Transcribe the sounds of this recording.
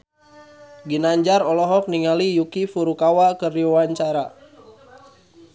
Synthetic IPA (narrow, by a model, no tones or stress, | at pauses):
ɡinaɲd͡ʒaɾɔlɔɦɔk̚niŋalijukifuɾukawakəriwaɲt͡ʃaɾa